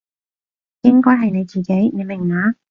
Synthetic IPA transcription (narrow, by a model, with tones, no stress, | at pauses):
jɪ˥ŋkɔː˥jɦɐ˨jne˨˧jt͡siː˨˩ke˨˥jne˨˧jmɪ˨˩ŋːaː˨˥